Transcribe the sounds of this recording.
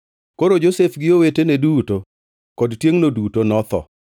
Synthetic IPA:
koɾod͡ʒosefɡɪoweteneduto | kɔdtjeŋnodutonɔt̪ɔ̰

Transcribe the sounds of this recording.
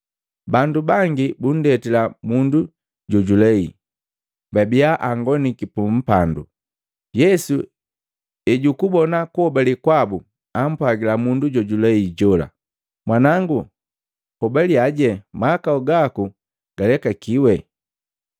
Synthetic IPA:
bandubaŋɡibun̩dɛtilamundu | ɟɔɟulɛi | babiaʔaŋɡɔnikipum̩pandṵ | jɛsu | ɛɟukubɔnakuhɔbalikwabu | am̩pwaɡilamunduɟɔɟulɛiɟɔla̰ | mwanaŋɡu | hɔbaliaɟɛmaːkauɡaku | ɡ̥alɛkakiwɛ

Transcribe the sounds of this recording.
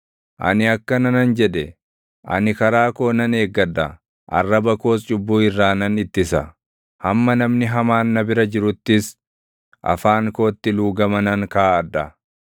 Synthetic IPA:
ʔɐ̰nɪɐkːɐnɐnɐnd͡ʒɛᶑɛ | ʔɐ̰nɪkɐɾaːko̞ːnɐne̞ːɡːɐd̪ɐ | ʔɐ̰rːɐbɐko̞ːs̬t͡ʃʼʊbːuːɪrːaːnɐnɪt̪ːɪsɐ | hɐmːɐnɐmnɪɦɐmaːnːɐbɪɾɐd͡ʒɪɾʊt̪ːɪs | ʔɐ̰faːŋko̞ːt̪ːɪluːɡɐmɐnɐŋkaːʔɐd̪ːɐ

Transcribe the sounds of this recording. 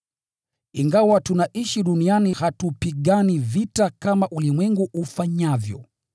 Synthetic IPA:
iŋɡawatunaʔiʃiɗunianihatupiɠanivitakamaʔulimwɛŋɡuʔufaɲavjɔ̰

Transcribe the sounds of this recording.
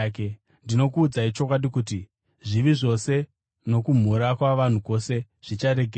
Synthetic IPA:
k | ndino̞kuːd͡zait͡ʃo̞k̬waɗikuti | ʐiʋiʐo̞se̞ | no̞kum̤uɾakwaʋan̤uko̞se̞ | ʐ̥it͡ʃaɾe̞ɡʱe

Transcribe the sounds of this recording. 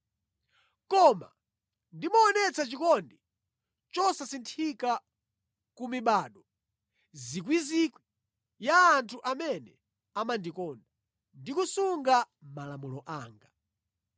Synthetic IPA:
kɔma̰ | ndimɔːnɛt͡sat͡ʃikɔndi | t͡ʃɔsasintʰika | kumiɓaːɗɔ | zikwizikwi | jaːntʰuʔamɛnɛ | amandikɔːnda | ndikusuŋɡa | malamulɔʔaːŋɡa

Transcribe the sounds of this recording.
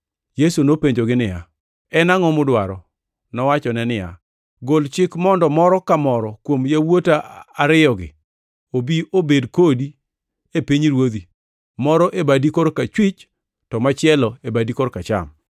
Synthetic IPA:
jesunopeɲd͡ʒoɡɪnɪja̰ | ɛnaŋɔmʊdwaɾɔ | nɔwat͡ʃɔnɛnɪja̰ | ɡolt͡ʃɪkmɔndɔmɔɾɔkamɔɾɔkwomjawotaaɾɪɔɡɪ̰ | obiʔobedkodi | epiɲɾwod̪i | mɔɾɔʔebadikoɾkat͡ʃwit͡ʃ | tɔmat͡ʃɪɛlɔebadikoɾkat͡ʃa̰m

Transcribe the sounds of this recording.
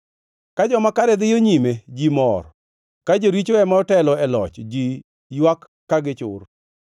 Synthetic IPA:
kad͡ʒɔmakaɾɛd̪ɪjoɲimed͡ʒimɔr | kad͡ʒoɾit͡ʃoɛmaɔtɛlɔɛlɔt͡ʃd͡ʒi | jwakːaɡɪt͡ʃʊ̰r

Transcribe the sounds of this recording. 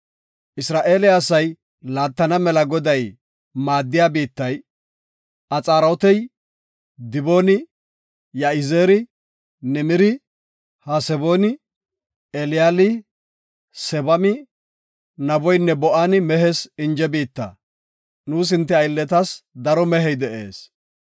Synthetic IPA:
ʔɪsɾaːʔe̞ːlɪɐsɐj | laːt̪ːɐnɐmɛlɐɡɔd̪ɐj | maːd̪ːɪjaːbiːt̪ːɐj | ʔɐt͡sʼaːɾot̪ɛj | d̪ɪbo̞ːnɪ | jaɪzeːɾɪ | nɛmɪɾɪ | hɐsɛbo̞ːnɪ | ɛlɪjaːlɪ | sɛbɐmɪ | nɐbɔjnːɛbɔʔanɪmɛɦɛsɪnd͡ʒɛbiːt̪ːɐ̰ | nuːs̬ɪnt̪ːɛɐjlːɛt̪ɐsd̪ɐɾɔmɛɦɛjd̪ɛʔeːs

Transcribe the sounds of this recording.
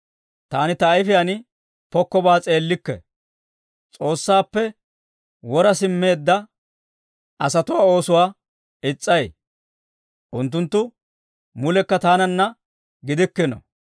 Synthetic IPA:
t̪aːnɪt̪ɐːjfɪjɐnɪ | pɔkːɔbaːt͡sʼe̞ːlːɪkːɛ̰ | t͡sʼo̞ːsːaːpːɛ | wɔɾɐsɪmːe̞ːd̪ːɐ | ʔɐsɐt̪ʊwaːo̞ːsʊwaː | ɪt͡sʼːɐj | ʔʊnt̪̬ːʊnt̪ːʊ | mʊlɛkːɐt̪aːnɐnːɐ | ɡɪd̪ɪkːɛnɔ̰

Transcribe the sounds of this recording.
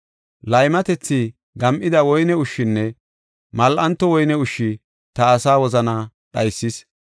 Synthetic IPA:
lɐjmɐt̪ɛt͡sːi | ɡɐmʔɪd̪ɐwɔjnɛʊʃːɪnːɛ | mɐlʔɐnt̪ːɔwɔjnɛʊʃːɪ | t̪ɐːsaːwɔzɐna | ɗɐjsːɪs

